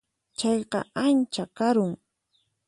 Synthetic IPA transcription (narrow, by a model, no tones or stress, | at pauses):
t͡ʃɑjqɑ̰ant͡ʃakaɾʊŋ